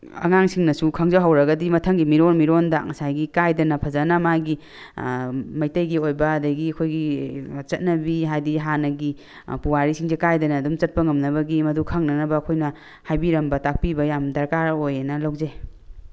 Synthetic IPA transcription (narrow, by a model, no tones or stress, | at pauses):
ɐ̰ŋaŋsiŋnɐsukʰɐŋzɐwɦawɾɐɡɐdimɐtʰɐŋɡimiɾonmiɾondaŋɐsajɡikajdɐnɐpʰɐzanɐmaɡi | mɐjtɐjɡiojbɐːdɐɡiɐkʰojɡit͡ʃɐt̚nɐbiɦajdiɦanɐɡi | puwaɾisiŋzekajdɐnɐːdumt͡ʃɐt̚pɐŋɐmnɐβɐɡimɐdukʰɐŋnɐnɐbɐːkʰojnɐ | hajbiɾɐmbɐtak̚pibɐjamdɐɾkaɾojenɐlɐwze